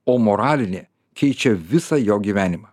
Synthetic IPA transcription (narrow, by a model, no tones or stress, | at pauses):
oːmoɾɑːlʲɪnʲeː | kʲɛɪt͡ʃʲɛʋʲɪsɑjoːɡʲiːʋʲæːnʲɪmɑ